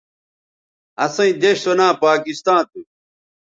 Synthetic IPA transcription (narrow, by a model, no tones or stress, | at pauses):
ɐsɐ̃ĩd̪eɕsonãːpaːkist̪ãːt̪u